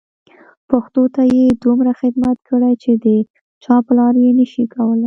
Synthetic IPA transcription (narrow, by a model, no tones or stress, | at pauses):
paxt̪ot̪ajed̪umɾaxɪd̪mat̪kəɽajt͡ʃed̪ə | t͡ʃɑplɑɾjenəʃikawəlaj